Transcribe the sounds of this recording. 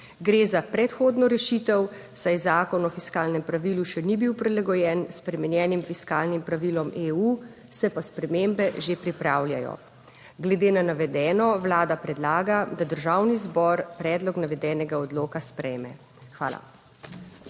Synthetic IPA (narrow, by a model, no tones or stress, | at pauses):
ɡɾeːzapɾɛt̪xoːd̪nɔɾɛʃit̪ɛw | sajzaːkɔnɔfiskaːlnɛmpɾaʋiluʃɛnibiwpɾɛlaɡɔjɛːnspɾɛmɛnjɛːnimfiskaːlnimpɾaʋilɔmeːu | sɛpaspɾɛmembɛʒepɾipɾaːwlʲja̰jɔ̰ | ɡlɛd̪eːnanaʋɛd̪ɛːnɔʋlaːd̪apɾɛd̪laːɡad̪ad̪əɾʒaːwnizbɔɾpɾɛːd̪lɔknaʋɛd̪ɛːnɛɡaɔd̪loːkaspɾɛjmɛ̰ | xʋa̰ːla̰